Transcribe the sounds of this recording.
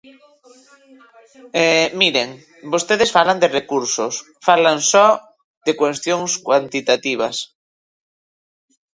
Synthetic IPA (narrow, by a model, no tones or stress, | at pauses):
ɛmiɾeŋ | bost̪eðesfaland̪erekuɾsos | falansɔ | ðekwest̪joŋskwant̪it̪at̪iβ̞as